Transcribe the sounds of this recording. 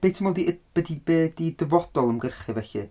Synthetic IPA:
b̥ejtʰəmɔlˠdib̥ədibeːdidəvɔd̥ɔlˠəmɡərχɨvɛɬɨ̰

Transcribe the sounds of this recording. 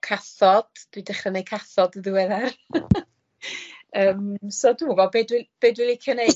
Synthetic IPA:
kʰaθɔd̥d̥widɛχrənejkʰaθɔdəðɪwɛðar | əːmsɔduuɡɔbeːdwɪb̥eːdwɪlˠɪkʰjɔnej

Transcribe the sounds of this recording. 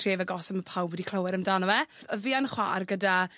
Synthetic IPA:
reːvəɡɔsəməpʰawbwɛdikʰl̥ˠəwɛɾəmdanɔwɛəviːanχwa̰ːrɡəda

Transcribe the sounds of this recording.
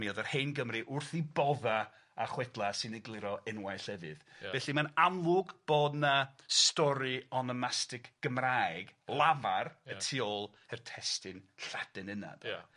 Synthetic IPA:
miɔðərhejnɡəmriʔʊrθibɔða | aχwɛdlˠasɨnɪɡlˠɪɾɔʔɛnwajɬɛvɨ̰ð̥ɛɬimanamlˠʊɡb̥oːdnastɔɾiɔnɔmastɪkɡ̥əmraɨɡlˠavarətʰiɔlˠ | ɛrtʰɛstɨnɬad̥ɛnɨna̰d̥

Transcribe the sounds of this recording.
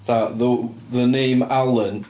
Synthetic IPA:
ðaʔðəðənẽːmalˠən

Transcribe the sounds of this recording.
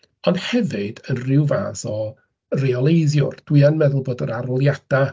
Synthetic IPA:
ɔnd̥hɛvɨd̥ənrɪwva̰ːsɔ | reɔlˠejðjʊ̰rd̥wɨanmɛðʊlˠboːdəɾaɾɔlˠjad̥a

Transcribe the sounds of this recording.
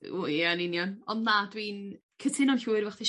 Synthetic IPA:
ṵanɪnjɔnɔndnadwiːn | kʰətʰɪnɔɬuːɨrvɛχθi

